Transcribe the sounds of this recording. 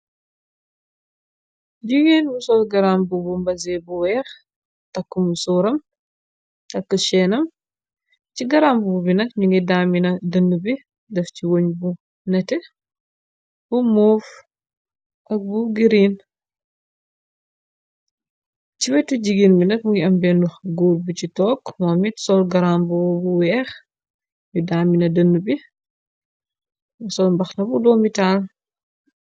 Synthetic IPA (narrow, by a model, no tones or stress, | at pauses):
ɟiɡinbusɔsɡɐɾambubumbɐzɛbuwɛx | tɐkːumusuɾɐm | tɐkːəʃɛnɐm | ciɡɐɾambububinɐk̚ɲuŋɡidaminɐdɐnːubi | dɛfciwoɲbu | nɛtɛ | b̥umuːf | ʔɐk̚buɡiɾin | cibɛtuɟiɡinminɐk̚muŋɡiɐmbɛnuxɡuːlbut͡ʃitɔːkmɔmitsɔlɡɐɾambɔwbuwɛːx | judaːminɐdɐnːubi | sɔlmbɐxnɐbudɔːmitaːl